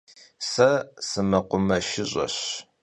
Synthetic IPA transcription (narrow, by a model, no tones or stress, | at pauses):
sɐsɨmɐqʷʊmɐʃɪɕʼɐ̰ɕ